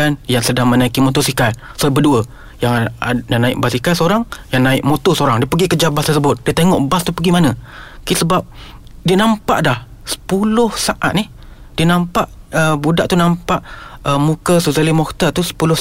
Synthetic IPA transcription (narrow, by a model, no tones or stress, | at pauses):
anjaŋsədaŋmənaikimɔt̪osikal | sobəduə | jaŋjaŋnaɪk̚basikalsoɾaŋjaŋnaɪʔ̚mot̪osəoɾaŋdiəpəɡikəd͡ʒabat̪ərsəbʊt̪̚diət̪eŋɔʔbast̪upəɡimanəkisəbap̚diənampa̰ʔdah | sə̥pulʊhsaʔa̰t̪̚nih | diənampaʔ | əbudaʔt̪unampaʔəmũkəsuzalimɔkt̪ət̪usə̥pulʊ